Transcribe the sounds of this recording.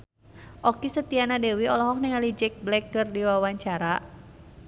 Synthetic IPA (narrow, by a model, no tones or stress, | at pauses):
ʔɔkisət̪ianadewiɔlɔɦɔk̚nɛŋalid͡ʒɛk̚blɛkːɨrdiwawaɲt͡ʃaɾa